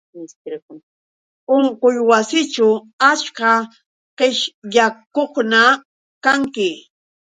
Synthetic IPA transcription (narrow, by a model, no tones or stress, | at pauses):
skɾk | ʊɴqʊjwasɪt͡ʃa | at͡ʃka | qeʃjakoχna | kaŋkɪ